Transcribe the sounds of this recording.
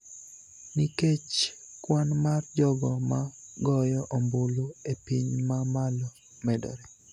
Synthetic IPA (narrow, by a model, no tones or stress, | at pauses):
niket͡ʃ | kwanmard͡ʒɔɡɔmaɡɔjɔʔomboloepiɲmamalɔ | mɛdɔ̰ɾɛ